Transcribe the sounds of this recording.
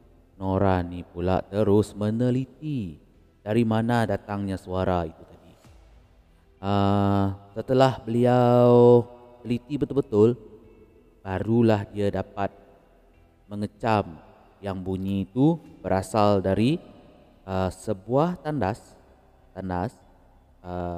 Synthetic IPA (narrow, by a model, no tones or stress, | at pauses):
noɾanipula̰ʔt̪əɾʊsmənəlit̪i | d̥aɾimanadat̪aŋɲasuaɾait̪ut̪adi | ə | sət̪əlahbəliaw | nəlit̪ibət̪ʊlbət̪ʊl | b̥aɾulahdiadapat̪̚ | məŋət͡ʃam | jaŋbuɲĩt̪ub̥əɾasaldaɾi | əsəbuaht̪andas | t̪andas | ə